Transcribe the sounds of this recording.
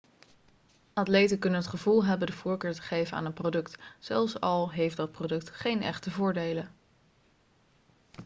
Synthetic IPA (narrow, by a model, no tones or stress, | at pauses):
atlejtənkɵnənɦətχəvulˠɦɛbəndəvʊːɹkøːɹtə̥χejvəna̰ːnənprowdɵktsɛlˠfsɑlˠɦejfdɑt̚prodɵk̚tχejnɛ̰χtəvʊːɹdejlə